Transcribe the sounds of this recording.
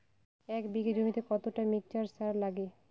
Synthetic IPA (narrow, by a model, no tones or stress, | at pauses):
ɛkbiɡed͡ʑomit̪ekɔt̪oʈamik̚t͡ɕaɾsaɾlaɡe